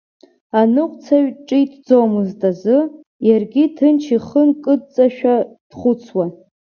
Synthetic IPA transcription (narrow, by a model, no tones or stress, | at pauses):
anɨqʷʼt͡sʰaɥʈ͡ʂʼitʰd͡zomɨztʼazɨ | jarɡʲitʰɨnt͡ʃʰiχənkʼɨt͡sʼaʃᶣad̥χʷʊt͡sʰwa